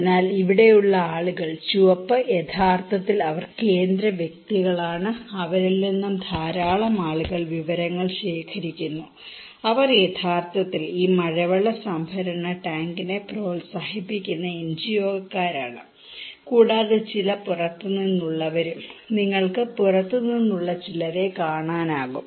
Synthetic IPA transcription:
nːaːliʋiɽe̞juɭːɐaːɭuɣɐɭt͡ɕuʋɐpːɐjet̪ʰaːrt̪ʰɐt̪ːilɐʋɐrke̞ːnd̪ɾɐʋjek̚t̪iɣɐɭaːɳɨɐʋɐɾilːinːumd̪ʱaːɾaːɭɐmaːɭuɣɐɭʋiʋɐɾɐŋːɐɭɕe̞ːkʰɐɾikʲːunːu | ɐʋɐrje̞t̪ʰaːrt̪ɐt̪ːiliːmɐɻɐʋɐɭɐsɐmbʱɐɾɐɳɐʈaːŋɡine̞pro̞ːlsaːhipːikʲːunːɐend͡ʑijo̞ːɡɐkːaːɾaːɳɨ | kuːɽaːðɨt͡ɕilɐpurɐt̪ːɨninːuɭːɐʋɐɾumniŋːɐɭkɨpurɐt̪ːɨninːuɭːɐt͡ɕilɐɾe̞kaːɳaːnaːɣum

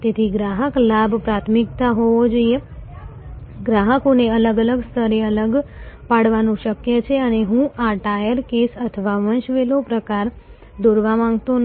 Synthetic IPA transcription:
t̪et̪ʰiɡɾaɦəklabpɾat̪ʰmikt̪aɦoʋod͡ʒoije | ɡɾaɦəkoneələɡələɡst̪ʰəɾeələɡpaɽʋanũʃəkjət͡ʃʰeəneɦũʔaʈajəɾkesət̪ʰəʋaʋənʃʋelopɾəkaɾ | d̪oɾʋamãŋɡt̪on

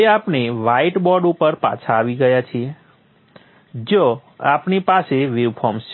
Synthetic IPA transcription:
eapneʋaiʈbɔɖupəɾpa̰t͡ʃʰaːʋiɡəjat͡ʃʰie | d͡ʒoapnipaseʋiʋpʰɔms

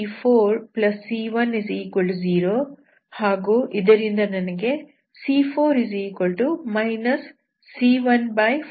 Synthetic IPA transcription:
pʰoːɾplɐsːiːʋɐnizikoɭʈuziːɾoː | haːɡuːʔid̪ɐɾind̪ɐnɐnɐɡe̞ | siːpʰoːɾizikoɭʈumɐjnɐsː | iːʋɐnbɐj

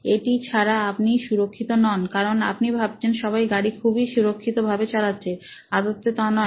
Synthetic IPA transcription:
eʈit͡ɕʰaɾaapniʃuɾokʰːit̪onɔnkaɾona̰pnibʱab̚t͡ɕʰenʃɔβajɡaɽikʰubiʃuɾokʰːit̪obʱabet͡ɕalatːɕʰead̪ot̪ːet̪anɔ

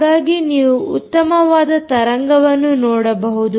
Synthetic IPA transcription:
ɡaːɡiniːʋuut̪ːɐmɐʋaːd̪ɐt̪ɐɾɐŋɡɐʋɐnːunɔːɽɐbɐɦud̪u

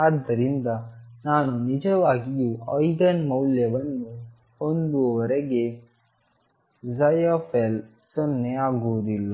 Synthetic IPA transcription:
ad̪ːɐɾind̪ɐ | naːnunid͡ʒɐʋaːɡijuɔjɡɐnmɐwljɐʋɐnːu | hond̪uʋɐɾɐɡe | zɐjofel | sonːeaːɡuʋɐd̪ilːɐ

